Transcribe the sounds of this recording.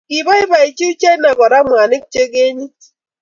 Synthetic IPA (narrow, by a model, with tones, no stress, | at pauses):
ki˨bɔ˦i˦ba˨i˨t͡ʃi˦u˦t͡ʃe˦na˨ɡɔ˨ɾa˦mʷ˨a˨nɪ˦k̚t͡ʃe˦ɡe˦ɲi˦